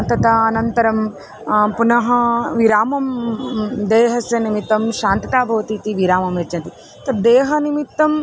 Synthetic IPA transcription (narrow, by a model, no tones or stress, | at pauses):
nt̪ɐt̪ɐːnɐnt̪ɐɾɐm | punɐɦɐʋiɾaːmɐm | d̪eːɦɐsjɐnimit̪ːɐmʃaːnt̪ɐt̪aːbʱɐʋɐt̪it̪iʋiɾaːmɐmjɐt͡ʃɐnt̪i | t̪ɐd̪eːɦɐnimit̪ːɐm